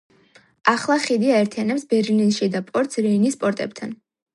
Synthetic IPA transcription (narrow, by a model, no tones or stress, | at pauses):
aχlˠaχid̪iaɛɾt̪ʰianɛpsbɛɾlinʃid̪apʼɔɾt̪sɾɛinisːpʼɔɾt̪ʼɛp̚t̪ʰan